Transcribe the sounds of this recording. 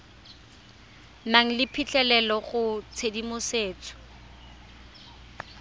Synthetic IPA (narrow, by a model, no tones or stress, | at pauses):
maŋ̩lɪpʰit͡ɬɛlɛlɔχʊt͡sʰedimʊseːt͡sʰɔ̥